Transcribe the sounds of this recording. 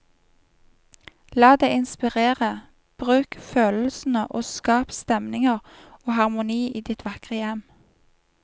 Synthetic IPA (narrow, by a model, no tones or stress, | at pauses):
lɑːd̪eɪɪnspɪʁeːʁə | b̥ʁʉːkføːll̩sn̩əʔoːskɑːpst̪ɛmnɪŋəʁ | oːhɑʁmʊniːʔiːd̪ɪt̪ʰʋɑkʁəjɛm